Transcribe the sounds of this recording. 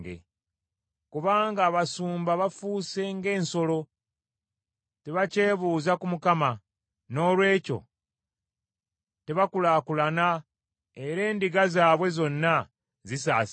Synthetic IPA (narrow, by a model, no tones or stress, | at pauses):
ɡḛ | kuβaːŋɡaːβasuːmbaβafuːse̞ŋɡe̞ːnso̞lo̞ | teβace̞ːβuːzakumukama | no̞ːlwe̞ːco̞̰ | te̞βakulaːkulana | e̞ɾe̞ːndiɡazaːβwe̞zo̞nːa | zis̬aːs